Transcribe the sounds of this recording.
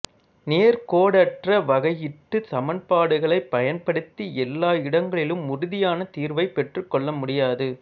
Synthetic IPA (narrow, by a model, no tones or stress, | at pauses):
neːɾkoːɽɐʈrɐʋɐɣɐjɪʈːɯsɐmɐnpaːɽɯɣɐɭɐɪpːɐjɐnpɐɽɯt̪ːiɛlːaːɪɽɐŋɡɐɭɪlɯmʊɾʊðɪjaːnɐt̪iːɾʋɐɪpːɛʈrɯkːɔɭːɐmʊɽɪjaːðɯ